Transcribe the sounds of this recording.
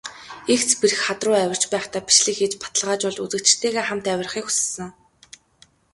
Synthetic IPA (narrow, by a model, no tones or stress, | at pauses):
ext͡spiɾɘ̆xχat̪rʊːæwʲə̆r̥t͡ɕpæːχt̪ʰaːpi̥ʃɮɘ̆xet͡ɕpḁt̪ə̆ɮʁaːt͡ɕɔɮt͡ɕut͡sɘ̆kt͡ɕ̆t̪ʰeːɣeːχam̥t̪æwʲɪ̆rχiːku̥s̆sə̆ŋ